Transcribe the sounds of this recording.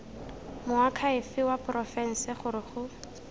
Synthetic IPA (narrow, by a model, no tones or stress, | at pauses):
mʊakʰaɪfɪwaprɔfɛn̩sɪχʊɾɪχʊ